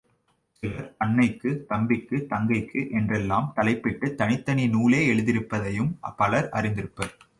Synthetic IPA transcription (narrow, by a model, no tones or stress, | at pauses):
sɪlɐɾɐɳːɐɪkːɯt̪ɐmbɪkːɯt̪ɐŋɡɐɪkːɯʔɛndrɛlːaːmt̪ɐlɐɪpːɪʈːɯt̪ɐɳɪt̪ːɐɳinuːleːɛɻɯðɪɾɯpːɐðɐjɯmpɐlɐɾʔɐrɪnd̪ɪɾɯpːɐɾ